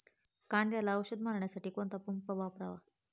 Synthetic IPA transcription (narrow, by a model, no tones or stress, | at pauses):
kand̪jalaəɕəd̪maɾɳjasaʈiːkoɳt̪apumpəbʱapɾa̰ʋa